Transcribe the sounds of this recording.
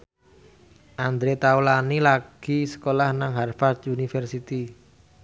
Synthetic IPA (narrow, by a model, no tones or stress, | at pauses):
ʔand̪ɾet̪awlanilaɡ̥i̤sə̥kolahnaŋɦarfard̪unifɛrsit̪i